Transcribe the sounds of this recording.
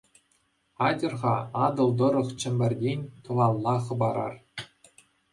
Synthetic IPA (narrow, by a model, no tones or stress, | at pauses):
ɑdʲɤ̆rʁɑɑd̪ɤ̆lˠd̪ɤ̆ɾɤ̆χt͡ɕɘ̆mʲbʲɘ̆rʲdʲenʲt̪ɤ̆ʋɑlˠːɑχɤ̆bɑɾɑ̰r